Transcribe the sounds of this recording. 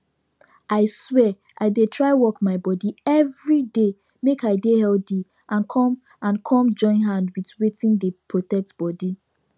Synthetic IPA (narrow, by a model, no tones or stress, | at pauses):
aɪswɛ | ʔaɪdetʰɹaɪwɔkmaɪbɔdiɛvɹide | mekaɪdehɛldi | ʔãnkʰɔ̃m | ãnkʰɔ̃md͡ʒɔ̃ɪ̃nɦãndwitwetĩndepʰɹotɛk̚tb̥ɔdi